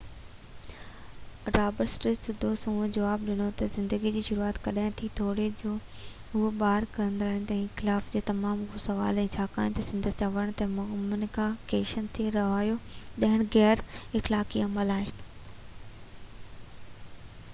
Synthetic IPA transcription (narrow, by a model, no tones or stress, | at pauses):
ɾaːbəɾsʈɾɪsd̪oːsũːd͡ʑɐʋaːbɗɪnot̪ɐzɪ̃nd̪əɡid͡ʑiːʃʊɾuaːt̪kɐɗaːɪ̃t̪ʰit̪ʰoːɽed͡ʑoː | ɦʊɦɓaːɾkɐə̃nd̪ɾənt̪ɛ̃ːxɪlaːfd͡ʑeːt̪ɐmaːmʊɦosɐʋa̰ːlɛ̃ːt͡ɕʰaːka̰ːɪ̃t̪ɐsɪ̃nd̪ʱət͡ɕɐʋəɽ̃t̪ɐmʊmnɪkakeːʃənt̪ʰeɾɐʋaːjoɗɐɦɪɽ̃ɣɛːɾɪxlaːkiɐməlaːɦɪnɪ̆